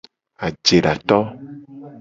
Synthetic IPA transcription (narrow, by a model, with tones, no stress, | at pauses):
a˨d͡ʒe˨ɖa˨t̪ɔ˦